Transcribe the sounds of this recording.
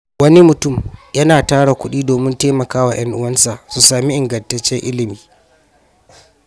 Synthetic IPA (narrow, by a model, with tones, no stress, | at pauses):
wɐ˦ni˦mʊ˨tʊ˦˨mjɐ˦naː˨taː˦ɽa˨kʷʊ˦ɗiː˦doː˨mɪ˦nteː˦mɐ˨kaː˦wa˨j̰ɐ˦ŋʔʊ˦wɐ˦nsa˨ʔsu˨saː˨mi˦ʔɪ˨ŋɡɐ˨ntɐ˦t͡ʃːɛ˦ŋʔɪ˦lɪ˨miː˨